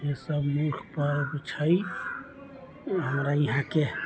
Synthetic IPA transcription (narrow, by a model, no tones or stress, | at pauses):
jẽsəbmukʰpəɾbt͡ʃʰəi | ɦəmɾajɦãke